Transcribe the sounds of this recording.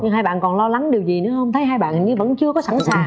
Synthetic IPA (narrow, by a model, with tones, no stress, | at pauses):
ɲɨ˧ŋɦaː˧jɓa̰ː˧˨nkɔ˨˩nlɔ˧la˨˦ŋɗi˨˩əwzi˨˩nɨ̰˧˥əhə˧wŋ͡mt̪ʰə˨˦jɦaː˧jɓa̰ː˧˨nɲɨ˧və̰˧˥nt͡ɕɨ˧əkɔ˨˦sa˧˩nsaː˨˩ŋ